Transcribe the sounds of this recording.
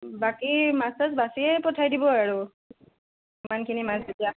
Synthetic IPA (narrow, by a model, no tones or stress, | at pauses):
bakimastaz̬basiɛpɔtʰajdibɔaɹu | imankʰinimasetija